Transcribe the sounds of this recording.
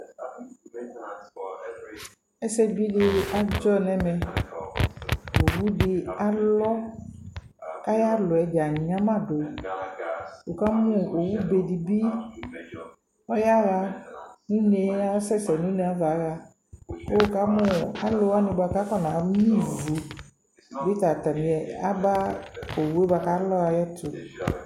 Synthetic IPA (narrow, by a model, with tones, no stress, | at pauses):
ɛ˦sɛ˦bi˦ɖe˦a˦d͡ʒɔ˦nɛ̃˦mɛ̃˨ | wo˨wu˦ɖi˨a˦lɔ˦ | ka˦ja˦lɔ˨ɛ˨d͡ʒa˨ɲ˨˦ã˦mã˦˨ɖo˨ | wo˨ka˦mũ˦˨o˨wu˦be˨ɖi˨bi˦ | ɔ˦ja˦ɣa˦nũ˦ne˨˦a˦sɛ˦sɛ˨nũ˦ne˨˦a˦va˨˦ɣa˦ | wo˦wo˨ka˦mũ˦a˦lo˦wa˦nĩ˨ba˨ka˦kɔ˦nã˨˦mĩ˦vu˨ | be˦t̪a˨t̪a˨mĩ˨ɛ˨a˦ba˦o˨wu˦e˦ba˨ka˦lɔ˦ɣa˨jɛ˦to˨